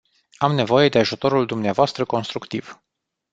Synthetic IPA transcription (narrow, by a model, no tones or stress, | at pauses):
amne̞vo̞je̞d̪e̞aʒut̪o̞ɾuld̪umneavoast̪ɾəko̞nst̪ɾukt̪iv̥